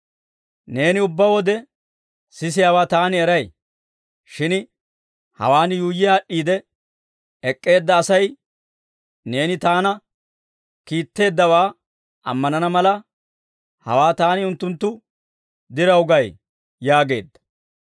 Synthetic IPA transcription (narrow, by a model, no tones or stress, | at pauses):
ne̞ːnɪʊbːɐwɔd̪ɛ | sɪs̬ɪjaːwaːt̪aːnɪɛɾɐj | ʃɪn | hɐ̰waːnɪjuːjːɪjaːʔːiːd̪ɛ | ɛkʼːe̞ːd̪ːɐːsɐj | ne̞ːnɪt̪aːnɐ | kiːt̪ːe̞ːd̪ːɐwaː | ɐ̰mːɐnɐnɐmɐlɐ | hɐ̰waːt̪aːnɪʊnt̪ːʊnt̪ːʊ | d̪ɪɾɐwʊɡɐj | jaːɡe̞ːd̪ːɐ̥